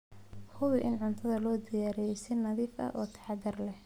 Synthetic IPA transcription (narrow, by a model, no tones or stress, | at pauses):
hʊβɪʔɪnʕʊnt̪ʰɐðɐlɔːd̪ɪjaːɾɛjsɪnɐðiːfʔɐ̰ʔɔːt̪ʰɐ̥ħɑd̪ɐrlɛh